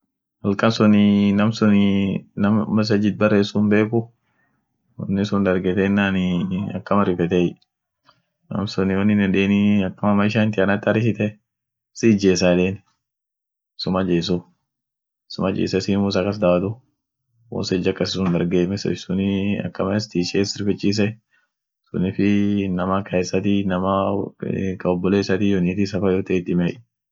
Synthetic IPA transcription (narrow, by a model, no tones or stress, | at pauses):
hɐlkɐnsʊnɪnɐmsʊnɪnɐmmɐs̬ɐd͡ʒɪt̪̚bɐrːeːsːʊmbe̞ːkʊ | wɔ̰nːɪsʊnd̪ɐɾɡɛt̪ɛnːaːnɪɐ̰kːɐmɐɾɪfɛt̪ɛ | nɐ̰msʊnɪwɐnːɪnɛᶑeːniɐkːɐmɐmɐɪʃant̪ɪɐnɐt̪ːɐɾɪsɪt̪ɛ | sid͡ʒeːsaːᶑeːn | sʊmɐd͡ʒeːs̬u | sʊmɐd͡ʒḛːsɐsiːmuːs̬ɐkːɐsd̪aːwɐt̪ʊ | wɔ̰nsɛd͡ʒːɐkːɐsɪsʊnd̪ɐɾɡeːmɛssʊniɐ̰kːɐmɐɛst̪iːʃeːsɪɾfɛt͡ʃʼːiːs̬ɛ | sʊ̰nɪfɪnɐmakʰɐɛsːɐt̪inɐma | kɐɔbːɔleːsɐt̪ijoniːt̪̬isɐfajoːt̪ɐɪt̪ːɪmɛʔ